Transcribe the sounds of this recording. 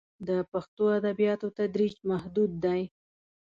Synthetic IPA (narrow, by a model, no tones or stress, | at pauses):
d̪əpaxt̪oad̪abijɑt̪ot̪ad̪ɾid͡ʒmahd̪ud̪ːaj